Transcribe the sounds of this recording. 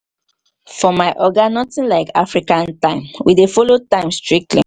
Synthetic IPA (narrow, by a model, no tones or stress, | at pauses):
fɔmaɪʔɔɡanɔtĩnlaɪka̰fɹikãntãɪ̃mwidefɔlotãɪ̃mstɹik̚tʰlḭ